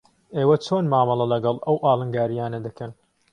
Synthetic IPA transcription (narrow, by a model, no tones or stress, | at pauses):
eːwɐt͡ʃʰoːnmaːmɐlˠɐlɐɡɐlˠʔɐwʔaːlˠɨŋɡaːɾijaːnɐd̪ɐkʰɐn